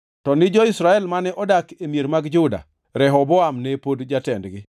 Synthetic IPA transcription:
tɔnɪd͡ʒɔisɾaɛlmanɛʔɔdakemieɾmaɡd͡ʒʊda̰ | ɾɛɦɔbɔamnepodd͡ʒatɛndɡɪ

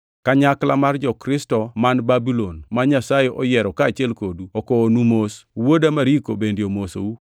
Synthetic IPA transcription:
kaɲaklamard͡ʒɔkɾɪstɔmanbabilonmaɲasajeʔɔjɛɾɔkaːt͡ʃɪɛlkoduɔkɔːnumoswodamaɾikobendjomoso̰u

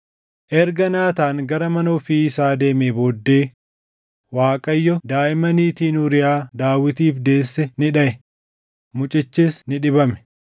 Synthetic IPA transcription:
ʔɛɾɡɐnaːt̪aːŋɡɐɾɐmɐnoːfiːɪsaːd̪e̞ːmeboːd̪ːeː | waːkʼɐjːɔd̪aːʔɪmɐniːt̪iːnʊɾɪjaːd̪aːwɪt̪iːfd̪e̞ːsːɛnɪᶑɐʔɛ | mʊt͡ʃʼɪt͡ʃːɪsnɪᶑɪbɐmɛ̥

